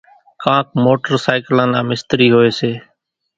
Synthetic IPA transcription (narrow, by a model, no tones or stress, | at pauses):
kãːk̚moːʈəɾsaːɪklãːnaːmɪst̪ɾiːɦoːeːseː